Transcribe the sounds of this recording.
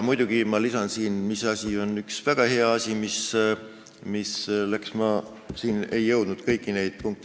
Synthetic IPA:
mujd̪̥uɡ̥imɑlisɑnsiːnmisɑsʲio̞nyksvæɡ̥ɑhe̞ɑɑsʲimis | mislæksmɑ | siːne̞jːɤwd̪̥nud̪̥kɤjkːˑine̞jd̪̥̚puŋk̚t̪

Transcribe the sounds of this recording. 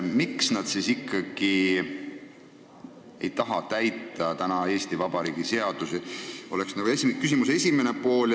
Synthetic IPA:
miksnɑd̪̥sisikːˑɑɡ̥i | e̞jt̪ɑɦɑt̪æjt̪ːˑɑt̪ænɑe̞ːst̪ivɑbɑɾiːɡ̥ise̞ɑd̪̥usio̞leksnɑɡ̥uesikysimuse̞sʲimene̞po̞ːl

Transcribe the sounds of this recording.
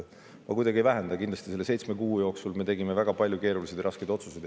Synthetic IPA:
ɑ̰kujd̪ɑɡiejvæɦend̪̥ɑkind̪lɑst̪ise̞lːese̞jt̪sme̞kuːjo̞ːksulme̞t̪̬e̞ɡime̞væɡ̥ɑpɑlʲjuke̞ːɾulise̞d̪jɑɾɑskejd̪o̞t̪suse̞jd̪

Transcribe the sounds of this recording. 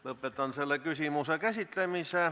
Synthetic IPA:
lɤpːˑet̪ˑɑnselːekysimusekæsit̪lemise

